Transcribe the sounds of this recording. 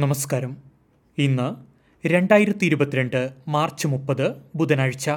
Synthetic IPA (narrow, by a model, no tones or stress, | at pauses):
nɐmɐskaːɾɐm | inːɨ | ɾe̞ɳɖaːjiɾɐt̪ːiɾubɐt̪ːiɾeɳɖɨmaːrt͡ɕːɨmupːɐðɨbud̪ɐnɐɻit͡ɕːɐ